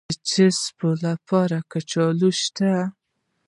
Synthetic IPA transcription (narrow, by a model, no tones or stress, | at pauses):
t͡ʃɪspolapʰɑɾakat͡ʃɑluʃt̪a